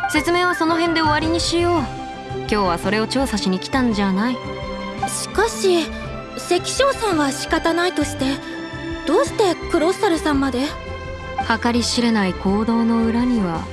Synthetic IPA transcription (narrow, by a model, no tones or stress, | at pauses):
se̞t͡sɨme̞ːβ̞aso̞no̞ɦẽ̞nd̪e̞o̞βaɾʲiɲ̟iɕijo̞ː | kʲo̞ːβaso̞ɾe̞o̞t͡ɕo̞ːsaɕiɲ̟ikʲi̥t̪ãɲd͡ʑanai | ɕi̥kaɕi | se̞kʲi̥ɕo̞ːsãɰ̃βaɕi̥kat̪anait̪o̞ɕi̥t̪e̞ | d̪̥o̞ːɕi̥t̪e̞kɯ̟ɾo̞saɾɯ̟sãmːad̪e̞ | hakaɾʲiɕiɾe̞naikʰo̞ːd̪o̞ːno̞ɯ̟ɾaɲ̟iβa